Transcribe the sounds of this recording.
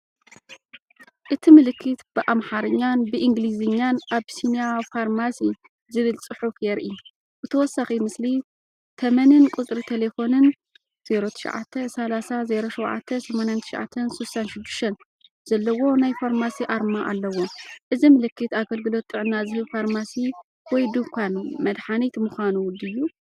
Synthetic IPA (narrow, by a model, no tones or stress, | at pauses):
ʔɨt̪ʰimɨlɨkʰːɨt̪b̥ɨʔamħaɾɨɲːanbɨʔiŋɡlizɨɲːanʔaβsinijafaɾmasi | zɨβɨlt͡sʼɨħuffjɛɾʔi | ʔɨt̪ʰɐwɔsːaximɨsli | t̪ʰɐmɐnɨnkʼut͡sʼɾit̪ʰele̞fo̞nɨn | z̥e̞ɾot̪ʰɨ̥ʃʕa̰t̪ʰːesɐlasaze̞ɾoʃɐwʕa̰t̪ʰːɐsɐmanjant̪ʰɨ̥ʃʕa̰t̪ʰːɐnsusanʃɪd̪ːɨʃt̪ʰɐn | z̥ɐlːɐwo̞najfaɾmasiʔaɾmaʔalːɐwo̞ʔɨzimɨlɨkːɨt̪aɡɐlɡɨlo̞t̪ʼːɨʕɨnːazɨhɨβfaɾmasi | wɔjd̪ukʷʰanmɐd̪ħanit̪mɨxanuwʊd̪ɨjːu